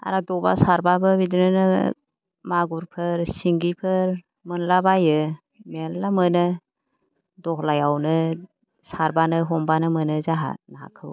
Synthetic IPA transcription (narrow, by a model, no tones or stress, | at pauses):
a̰ɾadɔba̰saɾbabɯbidɯnɯnɯ | maɡuɾpʰɯɾsiŋɡipʰɯɾ | mɯnlabajɯ | mellamɯnɯ | dɔhlajawnɯ | saɾbanɯɦɔmbanɯmɯnɯzaɦa̰nakʰɯw